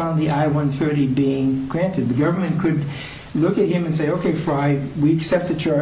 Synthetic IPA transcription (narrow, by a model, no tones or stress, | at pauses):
ãʊ̃nðiʔaɪwʌ̃nθɜ˞ɾibiɪ̃ŋɡ̥ɹæ̃ntɨd̪̚ðɨɡʌvə˞mɨ̃nkʰɨd | lʊkɨt̚hɨ̃mɨ̃nseɪoʊkʰeɪfaɪwiɨksɛp̚t̪̚ðɨtʰa